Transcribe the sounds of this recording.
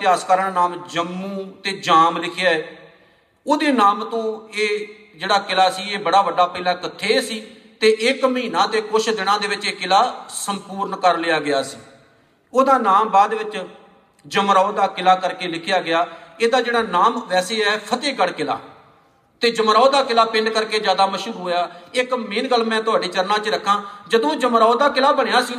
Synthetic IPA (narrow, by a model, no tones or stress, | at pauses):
t̪ɪaːskəɾəɳnaːmd͡ʒəmːũːt̪eːd͡ʒaːmlɪkʰjaːɛː | oːd̪eːnaːmt̪õːeː | d͡ʒeːɽaːkɪlaːsiːeːbəɽaːʋəɖaːpəilãːkət̪ʰːeːsiː | t̪eːʔɪkməɦiːnãːt̪eːkoːʃd̪ɪɽ̃ãːd̪eːʋɪt͡ʃeːkɪlaːsəmpuːɾɳkəɾlɪːjaːɡɪjaːsiː | oːd̪aːnaːmbaːd̪ʋɪt͡ʃ | d͡ʒəmɾaod̪aːkɪlaːkəɾkeːlɪkʰɪjaːɡɪjaːeːd̪aːd͡ʒeːɽaːnaːmʋɛːseːɛːpʰət̪eːɡəɽkɪla̰ː | t̪eːd͡ʒəmɾaoːd̪aːkɪlaːpɪ̃ɳɖkəɾkeːd͡ʒjaːd̪aːməʃuːɦoːjaːɪkmeːnɡəlmɛ̃ːt̪ʊaːɖeːt͡ʃəɾnãːt͡ʃɾəkʰːãːd͡ʒəd̪õːd͡ʒəmɾaːoːd̪aːkɪlaːbəɽ̃ejaːsiː